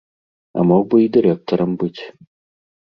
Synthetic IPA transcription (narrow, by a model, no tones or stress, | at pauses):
ɐ̰mɔɡ̚bɨid̪ɨɾʲɛk̚t̪ɔɾɐmbɨtʲ